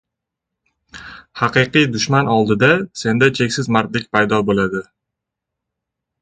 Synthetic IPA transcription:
hɑqɨqɨjd̪ʊʃmanɒlˠd̪ɪd̪ase̞nd̪at͡ʃʰe̞kʲsɪzmaɾt̪lɪkʲpʰajd̪ɒbolad̪ɪ

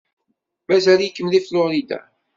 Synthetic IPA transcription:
mæzæljəkːəmliflʊɾid̪a̰

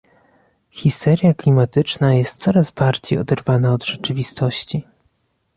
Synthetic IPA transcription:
xʲist̪ɛɾjaklʲimat̪ɘt͡ʂnajɛst̪sɔɾazbaɾd͡ʑejɔ̰d̪ɛɾvanaɔd̪ʐɛt͡ʂɘvʲist̪ɔɕt͡ɕi

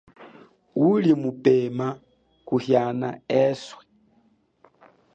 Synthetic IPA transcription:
ulimupema | kuhjana̰eswi

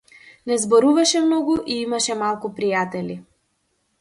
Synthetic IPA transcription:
nɛzbɔɾuvaʃɛmnɔɡuʔiimaʃɛmalˠkupɾijat̪ɛli

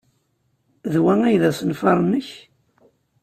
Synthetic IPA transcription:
ðwæŋæjðæsənfɑɾˤnːəç

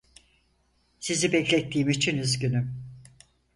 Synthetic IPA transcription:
sizibɛclʲɛt̪ːiːmit͡ʃʰinyzɟynym

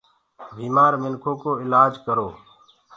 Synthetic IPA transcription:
biːmaːɾmɪnkʰoːkoːɪlaːd͡ʒkəɾoː

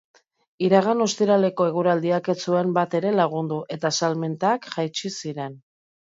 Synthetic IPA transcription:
iɾaɣ̞ano̞st̪iɾale̞ko̞e̞ɣ̞uɾald̪iake̞t͡sue̞mbat̪e̞ɾe̞laɣ̞und̪uʔe̞t̪asalment̪akʝajt͡ʃisiɾe̞n

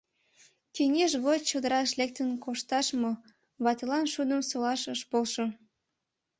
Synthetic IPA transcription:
t̪enʲeʃɣot͡ɕod̪əɾɑʃlek̚t̪ənkoʃt̪ɑʃmo | βɑt̪elɑnʃud̪əmsolɑʃəʃpolʃo

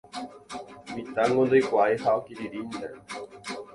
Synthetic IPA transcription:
mit̪aŋɡond̪ojkʷaehaokiɾiɾind̪e

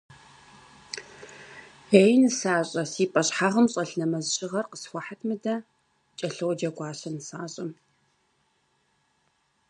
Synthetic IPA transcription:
ejnɨsaːɕʼɐsiːpʼɐɕħaːʁɐmɕʼɐɬnɐmɐzɕɪʁɐrqəsxʷɔħatʰmɨdɐ | t͡ʃʼɐɬɨwd͡ʒɐɡʷɑːɕɐnɨsaːɕʼɐm

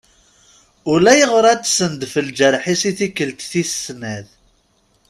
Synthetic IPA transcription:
ʊlæjəʁɾˤæt͡sːsənd̪fəld͡ʒəɾˤħisiθikːəlt̪θissnæð

